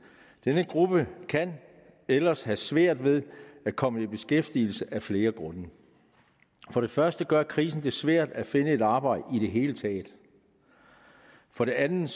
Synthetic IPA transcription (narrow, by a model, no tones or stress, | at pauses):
d̥enəɡ̥ʁub̥əkʰæn | elɐshæsʋæɐ̰d̥ʋe̝ðˠæ̥kʰɒ̽məib̥e̝sɡ̥efd̥iːl̩səʔæfle̝ːɐɡ̥ʁɔ̽nə | fɒ̽ɾ̥e̝fɶɐsd̥əɡ̥ɶɐkʰʁiːsn̩d̥e̝sʋæɐ̰d̥æfe̝nəe̝ɾɑ̈ːb̥ɑ̈ɪ̰d̥əiɾe̝ɦe̝ːlət͡sʰɛ̰ːd̥ | fɒ̽ɾe̝ænð̩ˠ